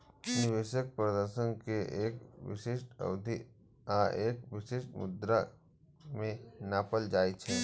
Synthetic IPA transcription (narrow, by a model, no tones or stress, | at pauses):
nɪʋeːʃək̚pɾəd̪əɾʃənkeʔeːkʋɪ̰ʃeːʃʈə̰ʋd̪ʱi | aːeːkʋɪʃeːʃmʊ̰d̪ɾa | mẽnaːpəld͡ʒaːit͡ʃʰɛː